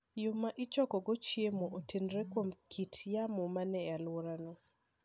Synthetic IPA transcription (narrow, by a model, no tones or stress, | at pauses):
jʊmaʔɪt͡ʃɔkɔɡɔt͡ʃjemoʔotenɾekwomkʰitjamɔmanɛalwoɾanɔ